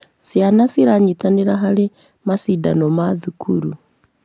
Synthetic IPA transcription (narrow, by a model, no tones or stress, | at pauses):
sjanasiɾaɲitaneɾaɦaɾe | masida̰nɔmaðukʰṵɾu